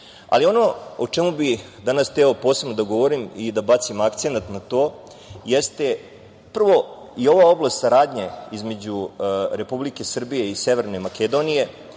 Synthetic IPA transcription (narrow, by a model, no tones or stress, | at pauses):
a̰lio̞no̞ot͡ʂe̞mubi | d̪anast̪ɛo̞po̞ːse̞bnod̪aɡo̞ʋo̞ɾimid̪abat̪simakt̪senat̪nat̪o̞ː | jest̪e̞ | pr̩ʋo̞ | io̞ʋao̞blˠast̪saɾaːd̪ɲe̞izme̞d͡ʑuɾe̞publike̞sr̩bije̞ise̞ʋe̞ɾne̞maked̪o̞nije̞